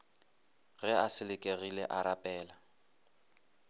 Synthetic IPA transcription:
ɣɛasɪlɪkʼeɣilɛʔaɾapʼɛːla

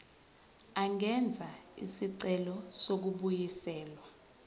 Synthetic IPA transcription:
aŋɛnd͡zʱaḭsiǀɛlɔsok̬uɓujisɛːlwa

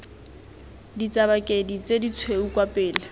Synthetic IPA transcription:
dit͡sʼabakʼedit͡sʼedit͡sʰweukʼwapʼɪːla

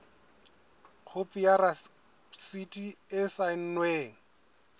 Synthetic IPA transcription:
q͡χʰʊpʼijara | sitʼiɪsan̩nweːŋ̩

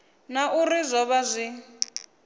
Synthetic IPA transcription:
naʔurizʷɔβazʷi

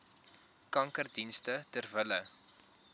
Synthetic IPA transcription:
kɐŋkərdinstətərvələ

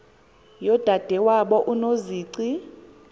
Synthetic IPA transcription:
jɔd̥ʱad̥ʱɛwaɓɔʔunoziːǀi

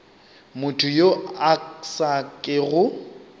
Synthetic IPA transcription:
mʊtʰʊjoaksakʼɪɣʊ

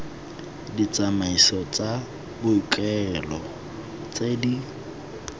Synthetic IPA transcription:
dit͡sʼamaisɔt͡sʼa | bʊikʼɛlɔ | t͡sʼedi

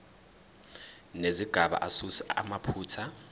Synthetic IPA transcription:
neziɡ̥ʱaɓa̰ʔasusɛa̰mapʰuːtʰa

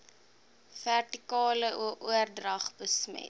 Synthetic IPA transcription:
værtikɑːləʔuəʔuərdrɐχbəsmɛ̰t̚

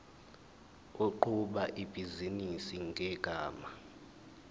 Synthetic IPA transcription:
oǃuɓaʔib̥ʱizinisiŋʱɛɡ̥ʱaːma

